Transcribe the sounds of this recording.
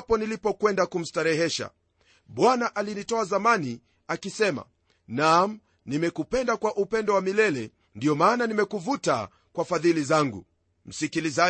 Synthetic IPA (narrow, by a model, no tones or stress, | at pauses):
pɔnilipɔkwɛndakum̩staɾɛɦɛʃa̰ | ɓwanaʔalinitɔazamani | akisɛma̰ | nam̩ | nimɛkupɛndakwaʔupɛndɔwamilɛlɛ | ndiɔmaːnanimɛkuvuta̰ | kwafaðilizaŋɡṵ | m̩sikiliza